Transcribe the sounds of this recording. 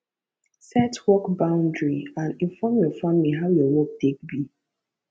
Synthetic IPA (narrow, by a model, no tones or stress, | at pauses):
sɛtwɔkbãʊ̃ndɹiãnĩnfɔmjɔfãmmiɦaʊjɔwɔk̚tek̚bi